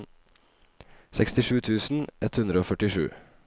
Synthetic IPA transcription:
sɛkst̪ɪʂʉːt̪ʰʉːsn̩ʔɛt̪hʉnd̪ɾəoːfœʈɪʂʉ̰ː

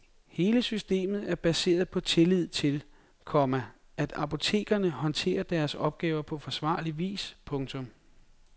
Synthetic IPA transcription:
he̝ːləsysd̥e̝̰ːmð̞̩ˠæɐb̥æse̝̰ːɐð̞̩ˠpʰɒ̽t͡sʰe̝lið̞̰ˠt͡sʰe̝l | kʰɒmæ | ʔæd̥ɑ̈pʰo̝t͡sʰe̝̰ːɡ̥ɐnəhɒ̽nt͡sʰe̝̰ːɐd̥æɐsɒ̽b̥̚ɡ̥ɛːʊɐpʰɒ̽fɒ̽sʋɑ̰̈ːliʋḭːspʰɔ̽ŋt͡sʰɔ̽m

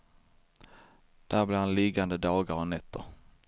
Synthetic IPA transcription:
d̪̥æɾblɪɾhanlɪɡand̪əd̪ɑːɡaɾɔnɛt̪ːəɾ

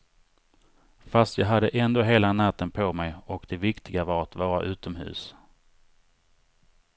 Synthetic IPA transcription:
fast̪jɑːɡɦad̪ːəʔɛnd̪oːɦeːlanat̪ːənpʰɔmɛjɔkd̪̥ɛvɪkt̪ɪɡavɑːɾat̪vɑːɾa̰ʔʉ̟ːt̪ɔmɦʉ̟̰ːs

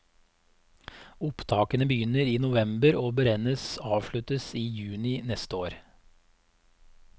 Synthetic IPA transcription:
ʊpt̪ʰɑːkənəbəjʏnəɾiːnʊʋɛmbəɾoːbəɾɛnəsɑːʋʃɭʉt̪əsiːjʉːnɪnɛst̪əoːɾ

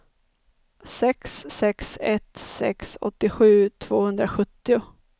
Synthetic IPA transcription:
sɛksːɛksɛt̪sɛ̰ksɔ̰t̪ːɪɧʉ̟ːt̪ʰv̥oːhɵnd̪ɾaɧɵt̪ːɪʊ

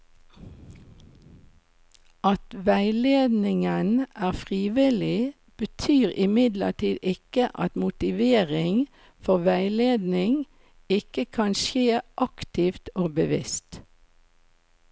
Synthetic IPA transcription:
ʔɑt̪ʋæɪleːd̪nɪŋənʔæːʁfʁiːʋɪlɪ | b̥ət̪ʰyːʁɪmɪd̪lə̰ʈiːd̪ɪkəʔɑ̰t̪mʊt̪ɪʋeːʁɪŋ | fɔʁʋæɪleːd̪nɪŋ | ɪkəkʰɑnʃeːʔɑkt̪ɪft̪oːbəʋɪ̰st̪

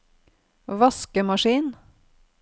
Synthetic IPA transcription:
ʋɑskəmɑʃiːn

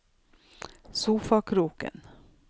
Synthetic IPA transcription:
suːfɑkʰɾuːkə̰n

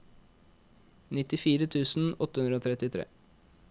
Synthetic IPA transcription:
nɪt̪ɪfiːɾət̪ʰʉːsn̩ɔt̪ːəhʉnəoːt̪ʰɾɛt̪ɪt̪ʰɾḛː

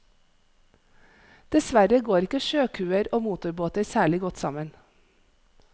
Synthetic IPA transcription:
d̪̥ɛsʋæɾəɡoːɾɪkəʃøːkʰʉːəɾoːmuːt̪ʊɾboːt̪əɾsæːɭɪɡɔt̪sɑ̰mən

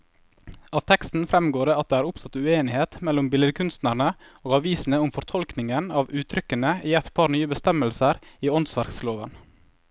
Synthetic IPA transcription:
ɑːʋt̪ʰɛkst̪n̩fɾɛmɡoːɖeːɑt̪̚d̪eːæːɾʊpsɑt̪ʉeːnɪheːt̪mɛlːʊmbɪləd̪əkʰʉnst̪næɾɳə | oːɡɑʋiːsn̩əʊmfɔɾt̪ʰɔlknɪŋənɑːʋʉːt̪ʰɾʏkənəiːɛt̪pʰɑːɾnyːəbəst̪ɛməlsəɾiːɔnsʋæɾksloːʋən

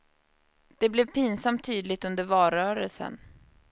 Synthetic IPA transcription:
d̪̥ɛblɛvpʰiːnsamt̪ʰːyːd̪lɪt̪ɵnd̪əɾvɑːɾœːɾəlsə̰n

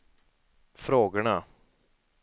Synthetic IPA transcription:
fɾoːɡəɳa

